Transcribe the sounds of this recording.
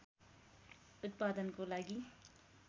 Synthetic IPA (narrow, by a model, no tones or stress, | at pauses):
ʊt̪̚pad̪ənkolaɡi